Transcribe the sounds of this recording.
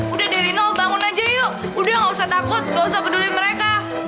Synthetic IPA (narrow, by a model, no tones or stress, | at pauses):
udahdaɾinɔbaŋʊnad͡ʒajo | udaŋɡausaht̪akʊt̪̚ŋausapədulɪməɾeka